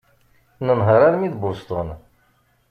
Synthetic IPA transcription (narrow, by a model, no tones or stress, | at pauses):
nənɦəɾˤaɾmiðbʊst̪ən